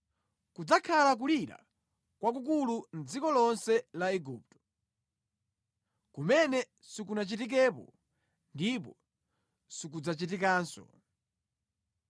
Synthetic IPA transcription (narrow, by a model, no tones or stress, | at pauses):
kud͡zakʰalak̬uliɾa̰ | kwak̬uk̬ulun̩d͡zikɔlɔnsɛlaɛɡuːp̚tɔ̥ | kumɛnɛ | sikunat͡ʃitik̬ɛːpɔ̰ | ndipɔ | sik̬ud͡zat͡ʃit̬ikaːnsɔ̰